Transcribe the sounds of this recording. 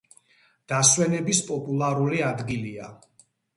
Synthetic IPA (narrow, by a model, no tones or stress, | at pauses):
d̪̥aswɛnɛbispʼɔpʼulˠaɾuliad̪ɡilia